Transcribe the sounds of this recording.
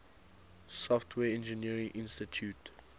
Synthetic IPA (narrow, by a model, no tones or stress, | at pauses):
sɔftʰwɛːɛ̃nd͡ʒəniəɹɪ̃ŋʔɪ̃nstitʰjut